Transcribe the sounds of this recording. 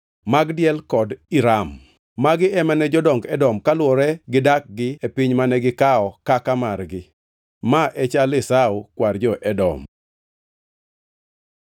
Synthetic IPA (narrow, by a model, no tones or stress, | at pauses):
maɡdjɛlkɔdiɾamː | aɡɪɛmɛnɛd͡ʒɔdɔŋɡɛdɔmkalwɔɾɛɡɪdak̚ɡɪepɪɲmanɛɡɪkaɔkakamarɡɪ | maʔɛt͡ʃalɪsaukward͡ʒɔʔɛdɔ̰m